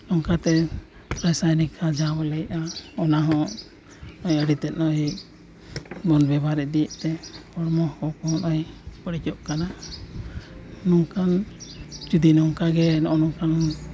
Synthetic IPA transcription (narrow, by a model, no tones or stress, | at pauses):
nɔŋkat̪ɛ | pɾajsajnikʰad͡ʒabɔlɛjʔaɔnaɦɔ̃ | nɔjəɽit̪ɛt̪̚ˀnɔɦik̚ | bɔnbɛbaɾɛd̪ijəʔt̪ɛpɔɾmɔhkɔkɔɔnɔjpəɽit͡ʃɔʔkana | nɔŋkan | t͡ʃud̪inɔŋkaɡɛnɔʔɔnɔŋkan